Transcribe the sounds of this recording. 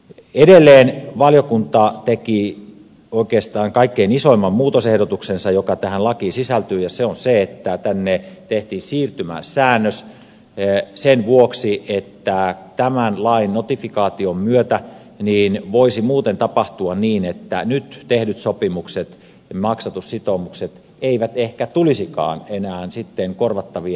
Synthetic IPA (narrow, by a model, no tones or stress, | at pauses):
edelːeːnʋɑljokunt̪ɑt̪eki | oikeːst̪ɑːŋkɑikːeinisoimːɑmmuːt̪osehɾot̪uksensɑjokɑt̪æhænlɑkisisælt̪yːjɑseonseet̪ːæt̪ænːet̪eht̪iːnsiːrt̪ymæ̰ssæːnːøs | senʋuoksiʔet̪ːæt̪æmænlɑinnot̪ifikɑːt̪iommyøt̪æ | niːnʋoisimuːt̪ent̪ɑpɑht̪uɑnniːnet̪ːænyt̪t̪ehdyt̪sopimukset̪ | mɑksɑt̪ussit̪omukset̪ | eiʋæt̪ehkæt̪ulisikɑ̰ːnenæːnsit̪ːeŋkorʋɑt̪ːɑʋi